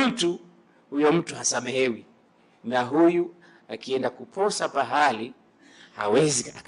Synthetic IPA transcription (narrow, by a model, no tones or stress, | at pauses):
tu | hujɔm̩tuhasamɛɦɛwi | naɦuju | akiɛndakupɔsapaɦali | ha̰wɛziak